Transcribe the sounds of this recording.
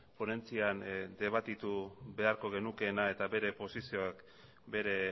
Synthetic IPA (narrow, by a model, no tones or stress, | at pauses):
po̞ne̞nt͡siand̪e̞β̞at̪it̪uβe̞aɾko̞ɣ̞e̞nuke̞nae̞t̪aβe̞ɾe̞po̞sisio̞ak | be̞ɾe̞